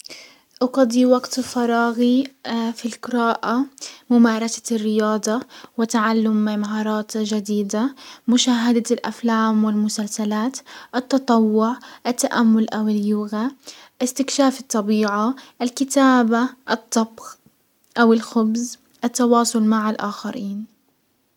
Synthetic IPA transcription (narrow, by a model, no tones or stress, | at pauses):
ʔɑqɑd̪ˤiwaɡt̪fɑɾˤɑːɣifilqɪɾɑːʔamʊmaːɾˤɑsḁrːɪjɑːd̪ˤɑwɪt̪aʕalːʊmːɪmaɦɑːɾˤɑːt̪ʒad̪iːd̪amʊʃaːɦad̪alʔa̰flaːmwɪlmʊsalsalaːt̪ʔɨt̪ːɑt̪ˤɑwːʊʕʔɪt̪ːaʔamːʊlʔawɪljʊɣa | ʔɪst̪ɪkʃaːfɨt̪ˤːɑbiːʕaʔɪlkɪt̪aːbaʔɨt̪ˤːɑbɣ | ʔawɪlxʊbz | ʔɪt̪ːɑwɑːsˤʊlmaʕɪlʔaːxaɾiːn